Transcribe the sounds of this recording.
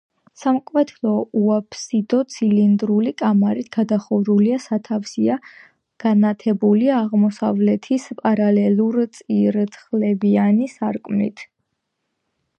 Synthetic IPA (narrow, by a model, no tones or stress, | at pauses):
samkʼwɛt̪ʰlˠɔuapʰsid̪ɔt̪sʰilind̪ɾulikʼamaɾit̪ʰɡ̥ad̪aχɔvɾuliasat̪ʰafsia | ɡ̥anat̪ʰɛbuliaʁmɔsavlɛt̪ʰispʼaɾalɛlˠuɾt̪sʼiɾt̪sʰχlɛbianisaɾkʼmnḭt̪ʰ